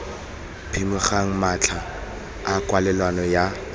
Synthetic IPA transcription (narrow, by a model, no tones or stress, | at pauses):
pʰimʊχaŋ̩mat͡ɬʰaː | kʼwalɛlwanɔja